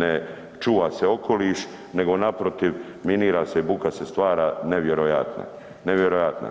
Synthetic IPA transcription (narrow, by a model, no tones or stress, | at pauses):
ne | t͡ʃuːʋaːse̞o̞kʰo̞liːʃ | ne̞ɡo̞napɾot̪iʋ | miniːɾaːseibukase̞st̪ʋaːɾaːneʋjeɾoja̰t̪na̰ | neʋjeɾojat̪na̰